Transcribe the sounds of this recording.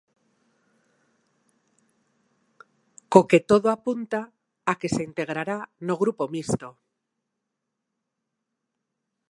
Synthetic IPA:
koket̪oðoapunt̪a | akeseint̪eɣ̞ɾaɾanoɣ̞ɾupomist̪o

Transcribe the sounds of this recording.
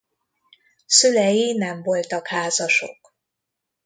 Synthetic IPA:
sylɛjinɛmvo̞lt̪ɒkhaːzɒʃo̞̰k

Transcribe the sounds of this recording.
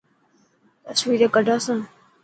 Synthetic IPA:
t̪əsʋiːɾeːkəɖʱaːsãː

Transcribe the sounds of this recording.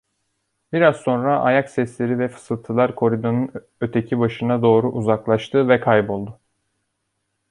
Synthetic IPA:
biɾazso̞nɾaʔajaksɛslʲeɾivɛfɯ̥sɯlˠt̪ʰɯlˠaɾkʰo̞ɾid̪onun | øt̪ʰecʰibaʃɯnad̪o̞ːɾuʔuzaklˠaʃt̪ʰɯvɛkʰajbo̞lˠd̪ʊ

